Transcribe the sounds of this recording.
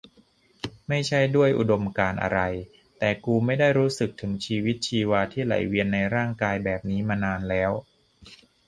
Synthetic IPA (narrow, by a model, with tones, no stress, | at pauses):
ma˥˩jt͡ɕʰa˥˩jdu˥˩əjʔṵ˨˩do˧mkaː˧nʔa̰˧ɾa˧j | t̪ɛː˨˩kuː˧ma˥˩jda˥˩jɾuː˦˥sɯ˨˩k̚t̪ʰɯ˩˦ŋt͡ɕʰiː˧wi˦˥t̪̚t͡ɕʰiː˧waː˧t̪ʰiː˥˩la̰˩˦jwi˧ənːa˧jɾaː˥˩ŋkaː˧jbɛː˨˩p̚niː˦˥maː˧naː˧nlɛː˦˥w